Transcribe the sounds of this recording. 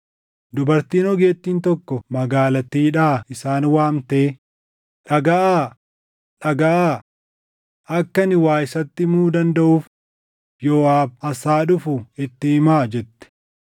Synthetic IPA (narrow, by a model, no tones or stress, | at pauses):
d̪ʊbɐɾt̪iːnɔɡe̞ːt̪ːiːnt̪ɔkːɔmɐɡaːlɐt̪iːᶑaːɪsaːnwaːmt̪e̞ː | ᶑɐɡɐʔaː | ᶑɐɡɐʔaː | ɐkːɐnɪwaːʔɪsɐt̪ːɪmuːd̪ɐnd̪ɐʔuːf | joːaːbɐsaːᶑʊfʊɪt̪ːɪɪmaːd͡ʒɛt̪ːɛ̥